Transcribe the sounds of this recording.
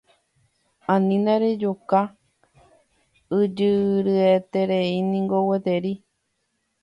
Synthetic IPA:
ãnĩnaɾed͡ʒoka | ɨd͡ʒɨɾɨet̪eɾeinĩŋɡowet̪eɾi

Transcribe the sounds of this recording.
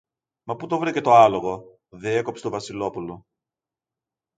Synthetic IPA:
mɐput̪ovɾice̞t̪o̞ɐlo̞ɣo̞ | ðeeko̞pst̪ovɐsilo̞pulo̞

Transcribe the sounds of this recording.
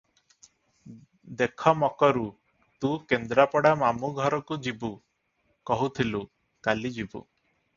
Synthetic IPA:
d̪ekʰɔmɔkɔɾu | t̪ũkend̪ɾapɔɽamamuɡʱɔɾɔkud͡ʒibu | kɔɦut̪ʰilu | kalid͡ʒibṵ

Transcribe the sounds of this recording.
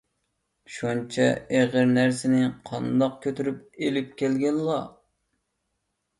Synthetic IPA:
ʃunt͡ʃʰɛeʁəɾnæɾsɪnɪqʰɑnd̪ɑq̚kʲʰøt̪ʰyɾyp̚elɪp̚kʲʰɛlɡʲɛnlɑ

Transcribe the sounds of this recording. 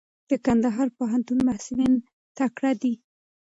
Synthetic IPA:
d̪̥əkand̪aɦɑɾpoɦant̪unmahsulin | t̪akɽad̪i

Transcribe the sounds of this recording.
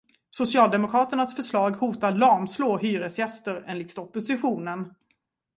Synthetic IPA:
sʊsɪɑːld̪ɛmʊkʰɾɑːt̪əɳasfœʂlɑːɡhuːt̪aɭɑɾmsloːɦyːɾəsjɛst̪əɾɛnlɪksɔpːʊsɪɧuːnən

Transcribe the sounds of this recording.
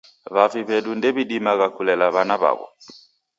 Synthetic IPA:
βafiβɛɗundɛβiɗimaɣakulɛlaβanaβa̰βɔ̰

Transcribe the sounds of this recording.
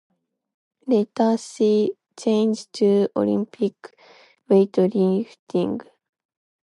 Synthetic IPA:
let̪asi | t͡ʃẽnd͡ʒtʰuo̰lḭ̃mpʰik | weɪtoɾift̪ʰĩŋɡ

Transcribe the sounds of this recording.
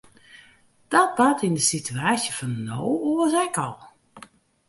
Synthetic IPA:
d̥ɔt̚batindəsitʰyaːsjəfɔnnowoəsɛkɔlˠ

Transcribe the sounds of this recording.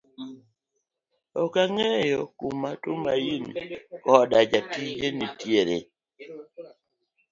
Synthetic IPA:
ɔkaŋɛjɔkumatʊmainkɔdad͡ʒatid͡ʒenitjeɾḛ

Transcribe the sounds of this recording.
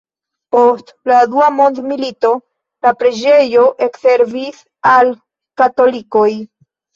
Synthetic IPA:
po̞st | laduamo̞ndmilito̞ | lapɾe̞d͡ʒe̞jo̞ʔe̞kse̞ɾvis | al | kato̞likoj

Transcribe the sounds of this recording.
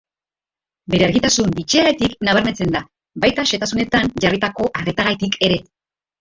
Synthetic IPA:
be̞ɾe̞aɾɣit̪asunbit͡ʃiaɣat̪iknaβ̞aɾme̞t͡se̞nd̪a | bajt̪aʃe̞t̪asune̞t̪anʝarit̪ako̞ʔaret̪aɣajt̪ikʰe̞ɾe̞

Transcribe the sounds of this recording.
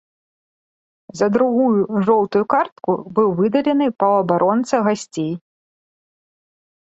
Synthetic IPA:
zɐd̪ɾuɣujuʐɔwt̪ujukart̪̚kubɨwvɨd̪ɐlʲɛnɨpɐɐbaɾʔɔnt̪sɐɣasʲt͡sʲej

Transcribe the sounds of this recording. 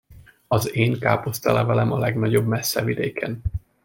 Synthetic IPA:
ɒzeːŋkaːpost̪ɛlɛvɛlɛmɒlɛɡnɒɟo̞bmɛsːɛvid̪eːkʰɛ̰n

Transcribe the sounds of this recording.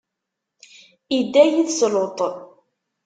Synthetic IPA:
id̪ːæjiθslot̪ˤ

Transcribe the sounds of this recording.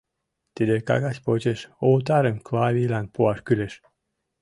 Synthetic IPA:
t̪ed̪ekɑ̰ɣɑsʲpot͡ɕeʃoːt̪ɑɾənklɑːβilænpoɑʃkyleʃ

